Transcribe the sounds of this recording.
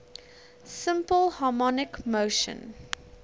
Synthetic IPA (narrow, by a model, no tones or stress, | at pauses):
sɪ̃mpəlˠhɑmɔnɪkmoʊʃə̰̃n